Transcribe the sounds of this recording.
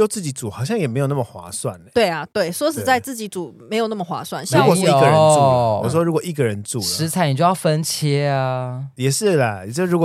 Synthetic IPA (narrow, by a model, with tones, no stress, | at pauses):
jo˥˩ʊt͡sɹ̩˥˩t͡ɕi˨˩t͡su˨˩xɑ˨˩ʊɕjɑ˥˩ŋjɛ˨˩me˧˥jo˨˩n˥˩mə˨˩xwa̰˧˥swa̰˥˨˩n˨˦t̪we˥˩ɪa˩t̪we˥˩ɪswɔ˧˥ʂ̬ɻ̩˨t͡sa˥˧ɪt͡sɹ̩˥˩t͡ɕi˨˥t͡su˨˩me˧ɪjo˨˩ʊna˥˩mə˩xwa̰˧˥swa˥˨nɕu˧˥wɔ˨˥˨ɡə˨˧nu˥˨˥wɔ˥˧ɻu˧˥kwɔ˨ʔi˥˩ɡə˨ɻə˧˦nt͡sṵ˥˩ʂɻ̩˧˥t͡sʰa˨˦ɪn˨˩t͡ɕjjɑ˥˩fə˦nt͡ɕʰjɛ˦a˧jɛ˨˩ʂɻ̩˥˩lə˩jt͡ɕɻu˧˥k